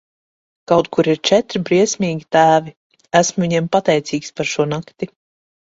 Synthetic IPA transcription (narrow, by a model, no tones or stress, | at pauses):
kawt̪kuɾiɾt͡ʃɛt̪ɾibɾiɛsʲmʲiːɡʲit̪æːvi | æsmuviɲiɛmpat̪ɛjt̪siːkspaɾʃuɔnakt̪i